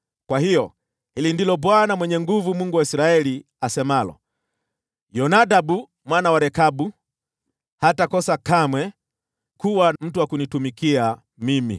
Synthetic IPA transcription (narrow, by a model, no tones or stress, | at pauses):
kwahijɔ | hilindilɔbwanamwɛɲɛŋɡuvumuŋɡuwaisɾaɛli | asɛmalɔ̰ | jɔnadabu | mwanawaɾɛkabu | hatakɔsakamwɛ | kuwam̩tuwakunitumikia | mimḭ